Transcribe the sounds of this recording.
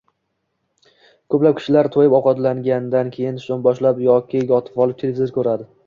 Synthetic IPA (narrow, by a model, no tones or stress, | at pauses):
kʰɵplap̚kʲʰɪ̥ʃɪlaɾt̪ʰojɪpɒqɒt̪laŋɡʲand̪ankʲʰejɪnʃonbɒʃlapjɒkʲɪjɒt̪ʰɪ̥pɒlˠɪp̚t̪ʰelʲevɪzoɾɪkʰɵɾad̪ɪ